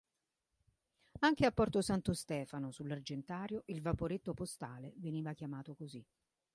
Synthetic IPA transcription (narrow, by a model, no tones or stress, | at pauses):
aŋkeapːɔrt̪osant̪ost̪ɛːfanosulːard͡ʒent̪aːɾjoʔilvapoɾet̪ːopost̪aːleveniːvak̟jamaːt̪okozi